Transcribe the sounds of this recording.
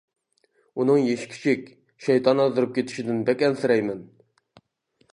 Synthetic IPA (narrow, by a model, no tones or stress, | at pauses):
unɨŋjeʃkʲʰi̥t͡ʃʰikʲ | ʃɛjt̪ʰɑnɑzuɾup̚kʲʰet̪ʰɪ̥ʃid̪ɪnbɛkʲɛnsɪɾɛjmɛn